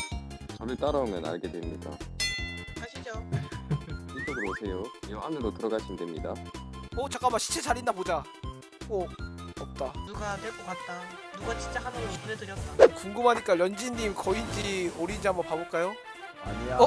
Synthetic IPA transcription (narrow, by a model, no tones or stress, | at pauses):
t͡ɕʌbɯt͈aɾaomjʌna̰ɭɡe̞dwemɲik͈a̰ | kaɕʰid͡ʑo | itoɡɯmosʰe̞jojʌʔanɯɾotɯɾʌɡaɕʰindwemɲida̰ʌt͡ɕak͈amakɕʰi̥t͡ɕʰet͡ɕaɾindapod͡ʑa | oʌp̚t͈anuɡadweɭk͈okat̚t͈a | nuɡat͡ɕint͡ɕ͈akʰanɯounedɯɾjʌt͈aekuŋɡɯmɦaɲik͈aɾjʌnd͡ʑiɲːimkʌind͡ʑioɾind͡ʑiɦambʌpaboɭk͈ajo | aɲia